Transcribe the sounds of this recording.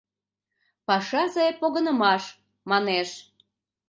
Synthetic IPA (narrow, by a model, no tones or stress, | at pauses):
pɑʃɑzɑepoɣənə̆mɑʃ | mɑneʃ